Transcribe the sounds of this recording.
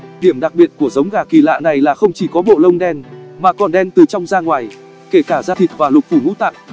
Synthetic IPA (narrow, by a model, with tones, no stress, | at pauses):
ɗi˧˩əmɗa˨˩k̚ɓi˨ət̚ku˧˩əzə˨˦wŋ͡mɣaː˨˩ki˨˩la̰ː˧˨na˨˩jlaː˨˩xə˧wŋ͡mt͡ɕi˧˩kɔ˨˦ɓo̰˧˨lə˧wŋ͡mɗɛ˧nmaː˨˩kɔ˨˩nɗɛ˧nt̪ɨ˨˩t͡ɕɔ˧wŋ͡mzaː˧ŋwaː˨˩j | ke˧˩kaː˧˩zaː˧t̪ʰi˨˩t̚vaː˨˩lʊ˨˩t̚fu˧˩ŋṵ˧˥t̪a̰ː˧˨ʔ